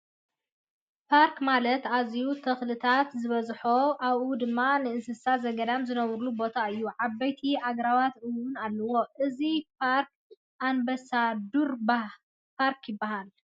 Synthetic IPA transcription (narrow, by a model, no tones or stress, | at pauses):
pʰaɾkmalɐt̪azijut̪ʰɐxlɨt̪ʰat̪zɨβɐzħoʔaβʔud̪ɨmːanɨɨnsɨsazɐɡɐd̪amzɨnɐβɾulubo̞t̪ʰaɨjːuʕabːɐjt̪ʰiʔaɡɾawat̪ʔɨwʊnalːɐwo̞ʔɨzipʰaɾk | ʔambɐsad̪uɾb | pʰaɾkjɪbːaɦal